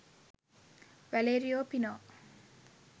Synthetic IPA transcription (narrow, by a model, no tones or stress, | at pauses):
ʋæleːɾijoːpinoː